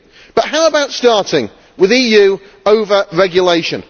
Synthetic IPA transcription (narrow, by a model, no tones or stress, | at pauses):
b̥ʌʔɦaʊəbaʊtstɑˑtɪ̃ŋ | wɪðiːjʉː | əʊvəɹɛɡjəleɪʃə̃n